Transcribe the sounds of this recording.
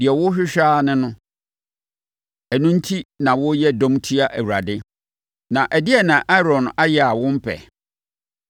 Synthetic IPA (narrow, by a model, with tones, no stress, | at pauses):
dɪ˨ɛ˨wʊ˦ɕᶣɪ˦ɕᶣaː˦nɪ̃˦nʊ̃˦ | ɛ˨nʊ̃˦n̩˦tʰi˦nã˨wʊ˦jɛ˦dɔ̃˦mtʰi˦a˦ʔæ˨wu˨ɾa̰˨dɪ˦ | nã˨ʔæ˨dɪ˦ɛ˨nã˨ʔa˦ɾɔ̃˨na˦jɛ˦˨a˨wʊ̃˦m̩˦pʰɛ̰˨